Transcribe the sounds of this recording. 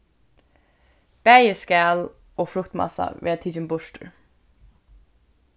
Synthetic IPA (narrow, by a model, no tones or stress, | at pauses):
b̥æːjəskæːl | ɔːfɾʊkt̪ma̰sa̰ʋeːɾat̪ʰiːt͡ʃɪnbʊʃt̪əɹ